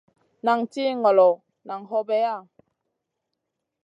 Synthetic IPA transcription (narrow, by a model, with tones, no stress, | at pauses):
na˨ŋt͡ɕi˦ŋɔ˨lo˨ | na˨ŋɦɔ˧be˨˦a˦˧˨